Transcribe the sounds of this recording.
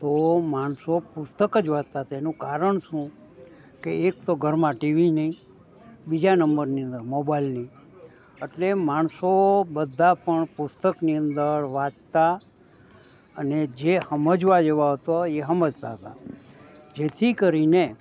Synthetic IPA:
t̪omaɳsopʊst̪əkəd͡ʒʋat̪̚t̪at̪enũkaɾəɳʃũ | keːkt̪oɡʱəɾmãʈiʋinəĩ | bid͡ʒanəmbəɾniə̃nd̪əɾmobailnəĩ | eʈlemaɳ̃sobəd̪ʱːapəɳpʊst̪əkniənd̪əɾʋad̪t̪a | əned͡ʒehəməd͡ʒʋad͡ʒeʋaɦət̪oeɦəməd͡ʒt̪a̰ɦət̪a̰ | d͡ʒet̪ʰikəɾine

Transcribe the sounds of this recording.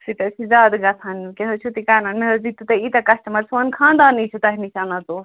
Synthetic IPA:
sit̪ɐsid͡ʒaːd̪ɡɐt̪ʰankeɦot͡ʃʰut̪ikananmeɦɐd͡ʒit̪ːut̪ɐit̪ɐkɐsʈɐmɐɾsʋɐnkʰãnd̪anit͡ʃʰɛt̪ɐɦnisanat̪u

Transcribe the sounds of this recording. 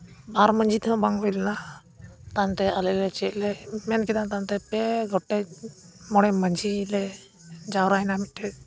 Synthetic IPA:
baɾməɲd͡ʒʱit̪ʰɛɔ̃baŋɡɦɔjlna | t̪ant̪ɛəlɛlɛt͡ʃɛʔlɛmɛnkɛd̪ant̪ant̪ɛpɛɡɔʈːɛmɔɽ̃ɛməɲd͡ʒʱilɛ | d͡ʒawɾainamiʈʰɛ

